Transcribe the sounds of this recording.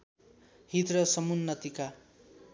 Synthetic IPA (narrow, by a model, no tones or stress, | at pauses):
ɦit̪rʌsʌmunːʌt̪ika